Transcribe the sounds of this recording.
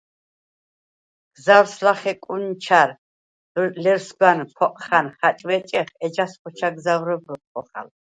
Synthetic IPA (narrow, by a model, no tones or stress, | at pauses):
ɡ̥zaɾslaχɛkʼunt͡ʃʰaɾ | d̪lɛɾsɡwanpʰɔqʼχanχat͡ʃʼwɛt͡ʃʼɛχɛd͡ʒasχʰɔt͡ʃʰaɡzawɾɔbɾɔt̪̚ʼqʰʼɔχa̰l